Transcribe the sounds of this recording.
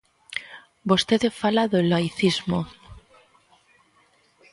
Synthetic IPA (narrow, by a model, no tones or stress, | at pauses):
bost̪eðefalaðelajθizmo